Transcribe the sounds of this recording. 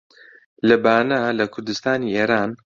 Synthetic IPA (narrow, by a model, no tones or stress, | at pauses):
lɐbaːnɐlɐkʰʊɾd̪ɨst̪aːnieːɾaːn